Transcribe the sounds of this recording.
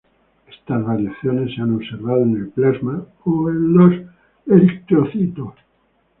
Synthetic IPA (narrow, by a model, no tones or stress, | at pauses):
est̪azβaɾjaθjonesːeanoβse̞ɾβaðoene̞lplazma | oenlos | eɾik̚t̪ɾoθit̪os